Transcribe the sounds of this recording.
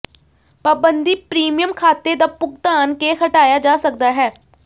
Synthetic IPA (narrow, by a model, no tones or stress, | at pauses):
paːbənd̪iːpɾiːmijəmkʰaːt̪ed̪aːpʊk̚d̪aːnkehəʈaːjaːd͡ʒaːsək̚d̪aːɦɛː